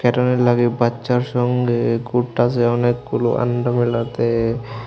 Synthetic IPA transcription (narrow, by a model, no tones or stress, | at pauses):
kɛʈanelaɡibatːʃaɾʃɔŋɡekuʈːaseɔnekːulo̰ʔa̰ɳɖɔmilat̪e